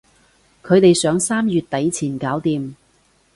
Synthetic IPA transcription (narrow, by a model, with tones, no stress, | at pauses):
kʰɵ˨˧ɥt̪e˨jsœː˨˧˥ŋsaː˥mjyː˨t̚t̪ɐ˨˥jt͡sʰiː˨˩nkaː˨˥wt̪iː˨˧m